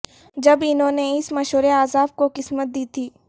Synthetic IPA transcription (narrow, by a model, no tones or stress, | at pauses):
d͡ʒɐbɪnɦõːneɪsmɐʃɦəɾeaːzaːb̚koqɪsmət̪̚d̪iːt̪ʰiː